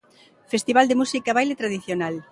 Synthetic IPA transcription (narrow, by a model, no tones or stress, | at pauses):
fest̪iβald̪emusikaβajlet̪ɾaðiθjonal